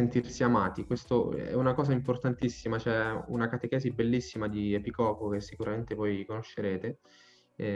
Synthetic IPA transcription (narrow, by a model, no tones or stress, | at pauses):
ent̪irsiamaːt̪ikwest̪oɛ̰unakɔːzaimport̪ant̪isːimat͡ʃɛṵnakat̪ekɛːzibelːisːimad̪iepikɔːkok̟esːikuɾament̪evojkonoʃːeɾeːt̪e